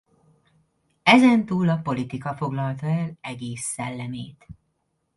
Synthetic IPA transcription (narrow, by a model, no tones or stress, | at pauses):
ɛzɛnt̪uːlɒpo̞lit̪ikɒfo̞ɡlɒlt̪ɒɛlɛɡeːsːɛlːɛmeːt̪